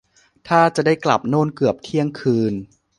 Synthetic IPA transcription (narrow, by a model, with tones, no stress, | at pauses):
t̪ʰaː˥˩t͡ɕa˨˩daː˥˩jkla̰˨˩p̚noː˥˩nkɯ˨˩əp̚t̪ʰi˥˩əŋkʰɯː˧n